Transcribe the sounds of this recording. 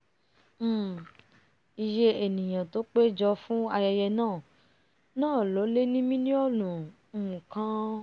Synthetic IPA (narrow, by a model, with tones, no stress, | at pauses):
m̩˦˨ | i˧ʃe˦e˨nĩ˨j̃ã˨to˨˦k͡pe˦d͡ʒɔ˧fũ˦a˧jɛ˧jɛ˧nãː˦˨ | nãː˦˨lo˨˦le˦nĩ˦mĩ˦nĩ˦ɔ˦˨lũ˨ | mũ˨kã˦